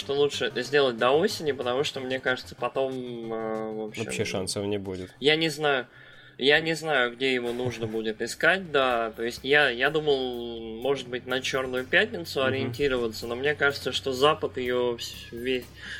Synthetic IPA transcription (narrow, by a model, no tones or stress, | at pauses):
ʂt̪o̞lˠutʂɨt̪əzʲdʲe̞lˠət̚ʲd̪ɐo̞sʲɪnʲɪpət̪ɐmuʂt̪o̞mnʲe̞kaʐɨt̪səpɐt̪o̞məvopɕɪ̰mːʂansəvnʲɪbudʲɪt̪janʲɪznajʊ | janʲɪznajʊɡdʲejɪvunuʐnəbudʲɪt̪ɪskat̚ʲd̪at̪o̞ɪsʲtʲjajad̪uməlˠmo̞ʐɨt̪̚bɨtʲnɐt͡ɕo̞rnʊjʊpʲætʲnʲɪt̪sʊɐɾʲɪɪnʲtʲiɾəvət̪səno̞mnʲe̞kaʐɨt̪səʂt̪o̞zapət̪ɪjofsːʲ | esʲ